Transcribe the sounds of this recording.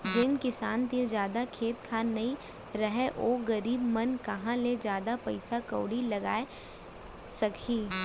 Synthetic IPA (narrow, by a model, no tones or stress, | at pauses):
d͡ʒɪnkɪsaːnt̪iɾd͡ʒjaːd̪akʰeːt̪kʰaːnɐɦĩ | ɾɐɦeʔoːɡɐɾiːbmɐnkɐɦãled͡ʒjaːd̪apɐɪsakɐːɽilɐɡa̰ːe | sɐkʰiː